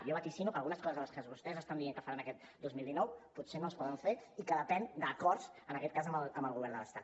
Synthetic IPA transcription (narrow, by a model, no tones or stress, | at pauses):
jɔβət̪isinukəlˠɣunəskɔzəzələskəzβust̪ɛzəst̪and̪ieŋkəfaɾanəkɛt̪̚d̪ozmilˠd̪inɔwput̪senoəspɔðəɱfeikəðəpɛnd̪əkɔɾzənəkɛt̪̚kazəmbələmbəlˠɣuβɛɾrnd̪ələ̰st̪a̰t